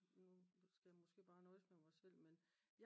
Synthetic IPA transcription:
nusɡ̥æjamɔsɡ̥e̝̰ːb̥ɑ̈ːnɒ̽ɪsmeʋɒsel̰men | j

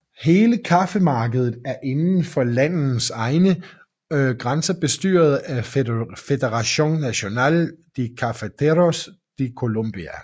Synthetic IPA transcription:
he̝ːləkʰɑfəmɑ̈ːɡ̥əð̞ˠð̩ˠæɐʔe̝nn̩fɒ̽læn̰̩sɑ̈ɪnə | ɡ̥ʁɑnsɐb̥e̝sd̥y̰ːɐð̞̩ˠæfe̝d̥eʁɑɕo̝ŋnæɕo̝nɛ̰ːld̥ikʰɑfət͡sʰeʁos | d̥ikʰo̝lom̰b̥iæ

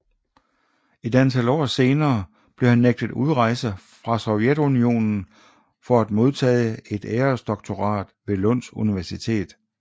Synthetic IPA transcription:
e̝d̥ænt͡sʰælɒ̰ːse̝ːnɐː | b̥le̝hænːeɡ̥̚d̥əð̩ˠuðˠʁɑ̈ɪ̰səfʁɑ̈sɒ̽ʊjed̥unio̝̰ːnn̩ | fɒ̽æd̥̚mo̝ð̞ˠt͡sʰɛ̰ːɪe̝d̥eːɐsd̥ɒ̽ɡ̥̚t͡sʰo̝ʁɑ̰̈ːd̥ʋe̝lɔ̽n̰suniʋæɐsit͡sʰe̝̰ːð̥ˠ

